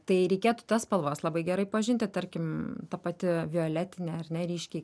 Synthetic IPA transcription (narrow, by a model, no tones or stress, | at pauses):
t̪ɐɪɾʲɛɪkʲeːt̪ʊ̥t̪ɐspɐlˠʋɑːslˠɐbɐɪɡʲɛɾɐɪpɐʒʲɪnʲt̪ʲɪt̪ɐɾʲkʲɪmt̪ɐpɐt̪ʲɪʋʲɪoːlʲæːt̪ʲɪnʲɛɐɾʲnʲɛɾʲɛɪʃʲkʲɛɪ